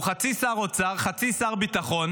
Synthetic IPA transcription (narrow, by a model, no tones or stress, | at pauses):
χat͡sisaʁot͡saʁχat͡sisaʁbit̪aχon